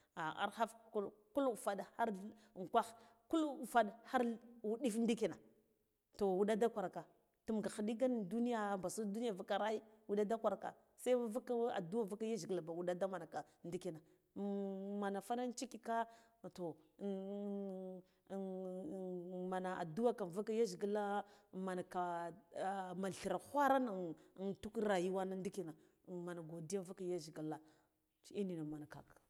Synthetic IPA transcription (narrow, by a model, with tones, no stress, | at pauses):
a˨a̰˨ɾxa˦fku˦ku˦lu˨fa˨dha˦ɾ | ŋ˨kʷa˦x | ku˦lu˨fa˨ɗha˦ɾwu˦ɗi˦fn˦di˦ki˨na˨ | to˨wu˦ɗa˦da˦kʷa˨ɾa˨ka˨ | tu˨m˨ɡa˨xi˨ɗi˦ɡa˦ndu˦ni˦ja˨mba˨su˦du˦ni˦ja˨va˦ka˨ɾa˦i˦wu˦ɗa˦da˦kʷa˨ɾa˨ka̰˨ | sa˦i˦va˦ka˦a̰˨du˦wa˦˨va˦ka˦ja˦zi˨la˨ba˨wu˦ɗa˦da˦ma˨na˨ka˨ | ndi˦ki˨na˨ | ma˨na˨fa˦na˦n˦t͡ʃi˦ki˦ka˦˨ | to˨ | ma˨na˨a̰˨du˦wa˦ka˨n˨va˦ka˦ja˦ʒi˨ɡi˦la˦ma˨na˨ka˨ | ma˨ɬi˨ɾa˨hʷa˦ɾa˦n˨ntu˦kɾa˨ji˦wa˦na˦ndi˦ki˦na˨ | ma˨na˨ɡo˨di˦ja˦va˦ka˦ja˦ʒi˨ɡi˨la˨ | t͡ʃi˦ni˨na˨ma˨na˨ka̰˨k